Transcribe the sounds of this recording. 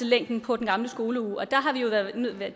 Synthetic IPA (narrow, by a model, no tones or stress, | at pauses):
əleŋ̰d̥n̩pʰɒ̽d̥enɡ̥ɑ̈mləsɡ̥o̝ːləuːɒ̽d̥ɑ̈ɦɑ̈ʋijo̝ʋæɐðˠnøð̰ˠʋe̝